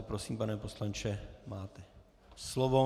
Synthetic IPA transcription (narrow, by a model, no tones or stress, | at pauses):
pɾosiːmpanɛposlant͡ʃɛmaːt̪ɛ | slovo